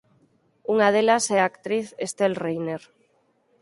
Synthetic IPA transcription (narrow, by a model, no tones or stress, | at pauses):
uŋað̞elasɛakt̪ɾiθest̪elrejneɾ